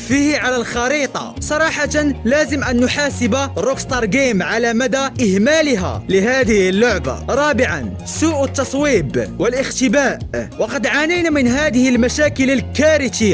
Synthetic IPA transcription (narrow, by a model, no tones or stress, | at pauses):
fiːhʕalalxɑɾiːt̪ˤɑ̰sˤɑɾˤɑːħɑt̪anlæːzəmʔænːʊħaːsɪbaɾokst̪ɑɾˤɡiːmʕalamæd̪aʔɪhmaːlɪɦa̰lɪɦaːd̪ɪhɪlːʊʕba̰ɾˤɑːbɪʕa̰n | suːʔət̪ːɑsˤwiːbwəlʔəxt̪ɪbaːʔwɑqɑd̪ʕanajnamɪnɦaːd̪ɪhɪlmæʃaːkələlkaɾɪt̪ɪ